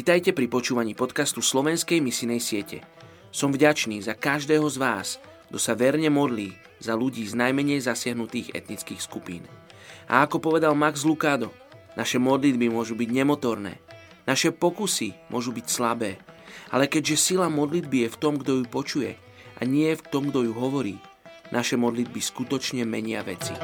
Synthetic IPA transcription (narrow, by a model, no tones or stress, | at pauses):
ʋit̪ajcɛpɾipɔt͡ʃuːʋaɲiːpɔt̪kast̪uslɔʋɛnskɛjmisinɛjsɪɛcɛ̰ | sɔmvɟat͡ʃniːzakaʒd̪ɛːɦɔzʋaːs | ɡd̪ɔsaʋɛɾɲɛmɔd̪liː | z̥aluɟiːznajmɛɲɛjzasɪaɦnut̪iːɣɛ̰t̪nit͡skiːxskupḭːnʔa̰akɔpɔʋɛd̪almaɡzlukaːd̪ɔ | naʃɛmɔd̪lid̪̚bimʊɔʒubiɟɲɛmɔt̪ɔɾnɛ̰ː | naʃɛpɔkusimʊɔʒubicslabɛːʔa̰lɛkɛɟʒɛsilamɔd̪lid̪bijɛft̪ɔmɡd̪ɔjupɔt͡ʃujɛ̰ | ʔa̰ɲɪɛft̪ɔmɡd̪ɔjuɦɔʋɔɾiː | nʔaʃɛmɔd̪lid̪̚biskut̪ɔt͡ʃɲɛmɛɲɪa̰ʋɛ̰t͡si